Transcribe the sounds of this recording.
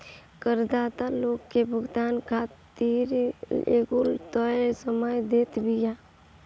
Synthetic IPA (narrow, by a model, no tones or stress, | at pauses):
kəɾd̪aːt̪aloːɡkebʱəɡd̪aːnkʰat̪iɾḛɡult̪əsəməjd̪eːt̪bʱija